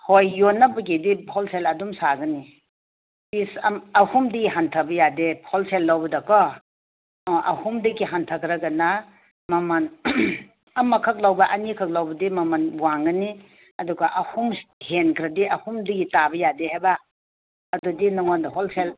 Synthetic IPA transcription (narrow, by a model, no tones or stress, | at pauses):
hojːonabɐɡidihɔlselɐdumsaɡɐni | pisɐmɐhumdɐɡiɦantʰɐbɐjadehɔlselːawbɐdɐkɔ | ʔɐ̰humdɐɡiɦantʰɐkʰɾɐɡɐna | maman | ɐmɐkʰɐk̚lawbaʔɐnikʰɐk̚lawbɐdimɐmanbwaŋɡɐni | ɐduɡaʔɐhumhenkʰɾɐdiʔɐhumdɐɡitabɐjadeɦajbaː | dudinɔŋɔndɐɦɔlsel